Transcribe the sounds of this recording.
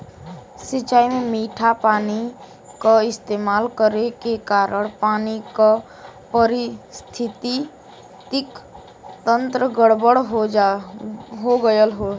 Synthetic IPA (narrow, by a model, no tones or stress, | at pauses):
sɪt͡ʃaːimẽmiːʈʰapaːni | kaɪst̪eːmaːlkəɾekekaːɾəɽ̃paːnika | pəɾɪst̪ʰɪt̪i | t̪ɪk | t̪ə̃nt̪ɾəɡəɽbəɽɦo | ɦoɡəjəlɦo